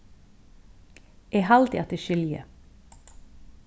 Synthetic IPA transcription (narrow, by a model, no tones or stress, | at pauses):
ʔeːhɑld̪ɪ̰ɑt̪əʃʏljə̰